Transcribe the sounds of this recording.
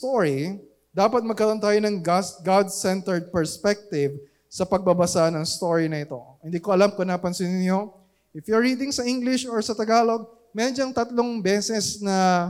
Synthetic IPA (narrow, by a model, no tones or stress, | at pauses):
t̪oɹi | d̪aːpɐt̪̚mɐɡ̚kɐɾo̞nt̪aːjonɐŋsɡad̪̚sɛnt̪ɛɹd̪̚pɛɹspɛk̚t̪ɪv | sɐpɐɡ̚bɐbɐsanɐŋst̪o̞ɹinɐʔɪt̪o̞̰hɪnd̪iːkoʔɐlamkonɐpɐnsinɪnjo̞ | ʔɪfjʊɐɹiːd̪ɪŋsɐʔiŋɡlɪʃoɹsɐt̪ɐɡaːlo̞ɡ̚ | mɛd͡ʒɐŋt̪ɐt̪loŋbɛːsɛsnɐ